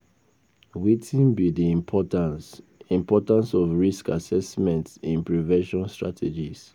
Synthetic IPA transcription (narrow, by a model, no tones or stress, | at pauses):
witʰĩnbidiĩmpʰɔtãns | ĩmpɔtãnsɔvɹiskasɛsmɛ̃ntĩnpɹivɛ̃nʃɔ̃nstɹa̰tʰed͡ʒis